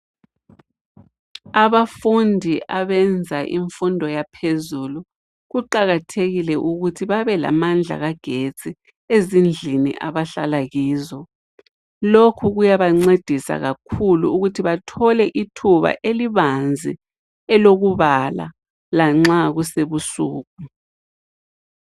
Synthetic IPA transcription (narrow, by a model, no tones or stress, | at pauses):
aβafundʱiʔaβɛnd͡zʱaʔḭɱfundʱɔjapʰezulu | ɣuǃaɣatʰeɣilɛʔuɣutʰiβaβɛla̰mand͡ɮʱa̰ɣaɡ̥ʱet͡sʼi | ezind͡ɮʱinḭʔa̰βaɬalaɣiːzɔ | lokʰuɣujaβaŋ͡ǀed̥ʱisa̰ɣakʰuluuɣutʰiβatʰɔlɛʔitʰuβa̰ʔeliβand͡zʱḭ | ɛloɣuβala̰ | laŋ͡ǁaɣuseβusuːɣu